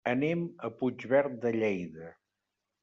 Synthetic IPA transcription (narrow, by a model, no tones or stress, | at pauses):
əneməpud͡ʒβɛɾt̪̚d̪əʎejðə